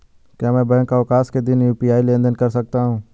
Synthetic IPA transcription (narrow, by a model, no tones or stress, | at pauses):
kjãːmɛ̃ːbəɦə̃ɳkaːʋɪkaːsked̪ɪnjuːpiːaːilẽːnd̪ənkəɾsək̚t̪aːɦũː